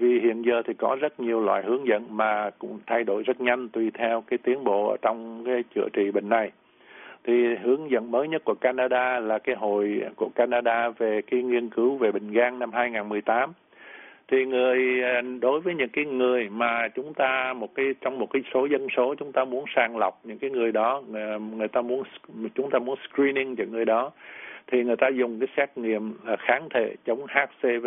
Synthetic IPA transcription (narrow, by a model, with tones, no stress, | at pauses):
vi˨˩ɦḭ˧˨ənzəː˨˩t̪ʰi˨˩kɔ˨˦zə˦˥t̚ɲi˨˩əwlwa̰ː˧˨jhɨ˨˦əŋzə̰˧˨nmaː˨˩kʊ̰˧˥ŋ͡mt̪ʰa˧jɗo˧˩jzə˦˥t̚ɲa˧jŋ̟t̪wi˨˧˩t̪ʰɛ˧wkaː˨˦jt̪i˨˦ənɓo̰˧˨ʔəː˧˩t͡ɕɔ˧wŋ͡mkaː˨˦jt͡ɕɨ̰˧˩˨ət͡ɕḭ˧˨ɓï˧˨ŋ̟na˨˩j | t̪ʰi˨˩ɦɨ˨˦əŋzə̰˧˨nməː˨˦jɲə˦˥t̚ku˧˩əkaː˧naː˧ɗaː˧laː˨˩kaː˨˦jɦo̰˧˨jku˧˩əkaː˧naː˧ɗaː˧ve˨˩kaː˨˦jŋwi˧ənkɨ˨˦wve˨˩ɓï˨˩ŋ̟ɣaː˧ŋna˧mɦaː˧jŋaː˨˩nmɨ˨˩əjt̪aː˨˦m | t̪ʰi˨˩ŋɨ˨˩əjɗo˨˦jvəː˨˦jɲɨ̰˧˥ŋkaː˨˦jŋɨ˨˩əjmaː˨˩t͡ɕʊ˨˦ŋ͡mt̪aː˧mo˨˩t̚kaː˨˦jt͡ɕɔ˧wŋ͡mmo˨˩t̚kaː˨˦jso˨˦zə˧nso˨˦t͡ɕʊ˨˦ŋ͡mt̪aː˧mu˨˦ənsaː˧˩ŋla˨˩wk͡p̚ɲɨ̰˧˥ŋkaː˨˦jŋɨ˨˩əjɗɔ˨˦ŋɨ˨˩əjt̪aː˧mu˨˦ənt͡ɕʊ˨˦ŋ͡mt̪aː˧mu˨˦ənskɹi˧ni˧ŋt͡ɕɔ˧˩ŋɨ˨˩əjɗɔ˨˦t̪ʰi˨˩ŋɨ˨˩əjt̪aː˧zʊ˨˩ŋ͡mkaː˨˦jsaː˦˥k̚ŋḭ˧˨əm˨˩xaː˨˦nt̪ʰḛ˧˨t͡ɕə˨˦wŋ͡mhaː˦˥t̚se˧